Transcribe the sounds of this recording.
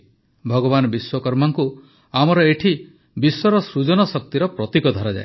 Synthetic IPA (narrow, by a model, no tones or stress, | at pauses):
bʱɔɡɔβanɔbiswɔkɔɾmaŋku | amɔɾɔeʈʰi | biswɔɾɔsɾud͡ʒɔnɔsɔk̚t̪iɾɔpɾɔt̪ikɔd̪ʱɔɾad͡ʒa̰e